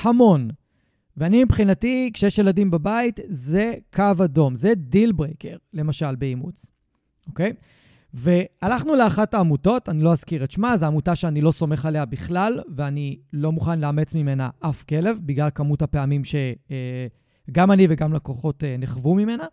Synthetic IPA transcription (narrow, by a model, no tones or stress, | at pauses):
hamo̞n | veanimipχinatikʃejeɛʃjeladimbabaitze̞kavado̞mze̞dilbʁeke̞ʁle̞maʃalbeimṵt͡s | ʔo̞ke̞j | ve̞alaχnuleaχataːmuto̞tanilo̞azkiʁetʃmazeamutaʃeanilo̞so̞me̞χale̞abiχlalveanilo̞muχanleamet͡smime̞na̰ʔafke̞le̞vbiɡlalkamuthape̞amimʃe̞ | ɡamaniveɡamlako̞χo̞teneχvumime̞na